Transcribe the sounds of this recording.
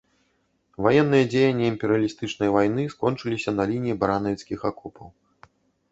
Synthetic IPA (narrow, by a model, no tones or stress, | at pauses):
vajɛnːɨjɐd͡zʲejɐnʲːiimpʲɛɾɨjɐlʲist̪ɨt͡ʂnɐjvajn̪ɨskɔnt͡ʂɨlʲisʲɐnɐlʲinʲijibaɾanɐvʲit̪skʲixakɔpɐw